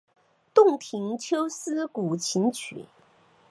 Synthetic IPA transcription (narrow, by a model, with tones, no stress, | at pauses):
t̪ʊ˥˩ŋt̪ʰi˧˥ŋt͡ɕʰjo˥ʊsɹ̩˥ku˨˩t͡ɕʰi˧˥nt͡ɕʰy̰˨˩˦